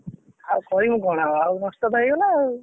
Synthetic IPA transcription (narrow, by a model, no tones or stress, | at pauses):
awkɔɾiũɡɔɽ̃aawnɔst̪ɔt̪ajɡɔlaːu